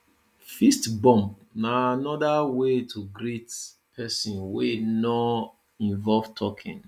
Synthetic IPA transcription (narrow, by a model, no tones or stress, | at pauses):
fistbɔ̃mp̚ | naanɔdawetʰuɡɾit | pʰɛsɔ̃nwenɔ | ĩɱvɔlv̥tʰɔkʰḭ̃n